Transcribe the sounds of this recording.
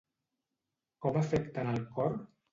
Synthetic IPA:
kɔmafɛkt̪analkɔɾ

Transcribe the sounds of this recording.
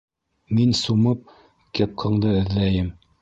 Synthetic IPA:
minsumɤp̚ | kɘ̆p̚qʰɤ̆ɴd̪ɤɘ̆ðlæjɘm

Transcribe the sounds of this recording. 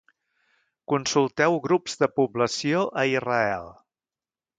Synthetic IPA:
kunsulˠt̪ɛwɣɾupz̥ðəpubləsioʔəirəɛ̰lˠ

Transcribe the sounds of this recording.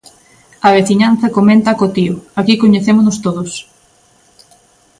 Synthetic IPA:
ɐβ̞eθiɲanθɐkomẽnt̪ɐkot̪ioakikoɲeθemʊnost̪oðos

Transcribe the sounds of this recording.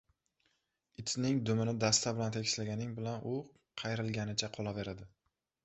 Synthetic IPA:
ɪt̪ʰnɪŋd̪ʊmɪnɪd̪ast̪ʰabɪlant̪ʰekʲɪʃlaɡʲanɪŋbɪlanʔʊ | qʰɑjɾɪlˠɡʲanɪt͡ʃʰaqʰɒlˠave̞ɾad̪ɪ

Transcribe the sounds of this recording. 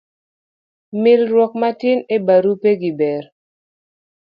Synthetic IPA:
mɪlɾwɔkmatɪnebaɾupeɡibɛɾ

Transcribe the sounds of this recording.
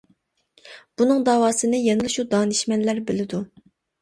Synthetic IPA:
b̥unɨŋd̪ɑːwɑːsɨnɨjɛŋɨlˠɨʃud̪ɑːnɨʃmɛnlæɾbɪlɪd̪u

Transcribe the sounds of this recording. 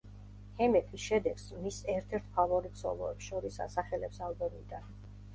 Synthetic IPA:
hɛmɛpʰisʃɛd̪ɛɡsmisɛɾt̪ʰɛɾt̪ʰpʰavɔɾit̪sʰɔ̰lˠɔ̰ɛpsʃɔɾisa̰saχɛlɛpsalˠbɔmid̪an

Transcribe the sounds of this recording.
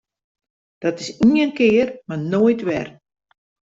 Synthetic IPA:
d̥ɔtɪsiənkɪərmarnoːjtʋɛ̰r

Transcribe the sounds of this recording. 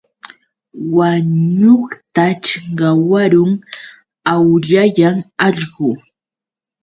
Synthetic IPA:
waɲʊχt̪at͡ʃɪŋɢɑwaɾʊŋ | awʎajaŋɑʎɢʊ

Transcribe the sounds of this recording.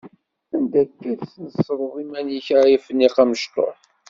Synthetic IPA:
ænd̪ækːædsnəsˤːɾˤəðˤimænjəçʕajəfənːiqæməʃt̪ˤo̰ħ

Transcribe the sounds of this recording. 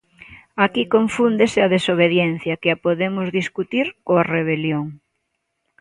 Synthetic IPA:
akikoɱfund̪esɪɐðesoβ̞eðjɛn̟θjɐkɪapoðemʊzðiskut̪iɾkoareβ̞eljoŋ

